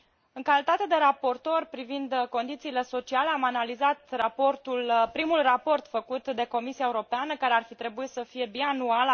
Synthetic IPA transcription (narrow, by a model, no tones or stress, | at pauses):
ɨŋkalit̪at̪e̞d̪e̞ɾapo̞rt̪o̞rʲpɾivind̪ko̞nd̪it̪siːle̞so̞t͡ʃiale̞amanalizat̪rapo̞rt̪ulpɾimulrapo̞rt̪fəkut̪d̪e̞ko̞misiaeuɾo̞peanəkaɾe̞arfit̪ɾe̞buit̪səfije̞bianual